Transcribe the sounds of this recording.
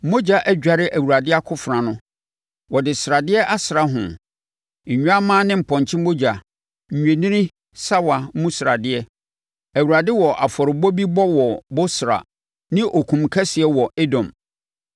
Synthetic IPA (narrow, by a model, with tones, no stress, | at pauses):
mo˦d͡ʑa˨ʔæ˦d͡ʑᶣa˨ɾɪ˦ʔæ˨wu˨ɾa˨dɪ˦a˦kʰʊ˦fɾã˨nʊ̃˦ | wɔ˨dɪ˨sɾa˨dɪ˦ɛ˦ʔa˦sɾa˦ɦʊ̰̃˨ | ɲ̩˨ɲᶣ˦a˦mãː˦nɪ̃˦m̩˨pʰɔ̃˨ɲ˨t͡ɕʰɪ˦mo˦d͡ʑa˨ | ɲ̩˨ɲᶣẽ˨nĩ˦ɾĩ˦ | sa˦wa˨˦mũ˦sɾa˨dɪ˦ɛ˦ | æ˨wu˨ɾa˨dɪ˦wɔ˨ʔa˨fɔ˨ɾɪ˨bɔ˦bi˦bɔ˦wɔ˨bo˦sɾa̰˨ | nɪ̃˦ʔɔ˨kʰũ˨mkʰɛ˦sɪ˨ɛ˦wɔ˨e˦dɔ̃˨m